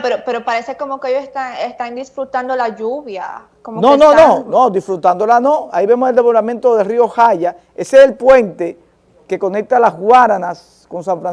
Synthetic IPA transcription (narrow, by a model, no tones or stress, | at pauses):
peɾopeɾopaɾesekomokeejosest̪anest̪and̪isfɾut̪and̪olaʝuβja̰ | komononno̞nonod̪isfɾut̪and̪o̞lanoaiβe̞mo̞se̞ld̪eβoɾament̪o̞ðerio̞xaʝa | e̞seːlpwe̞nt̪e̞ | ke̞ko̞ne̞k̚t̪alazɣwaɾanas | ko̞ns̬aɱfɾans